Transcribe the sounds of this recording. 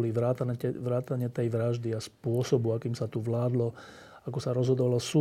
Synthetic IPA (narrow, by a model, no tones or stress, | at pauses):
liʋɾaːt̪anɛʋɾaːt̪aɲɪɛt̪ɛjʋɾaʒd̪iaspʊɔsɔbuakiːmsat̪uʋlaːd̪lɔ | akɔsaɾɔzɦɔd̪ɔʋalɔsuː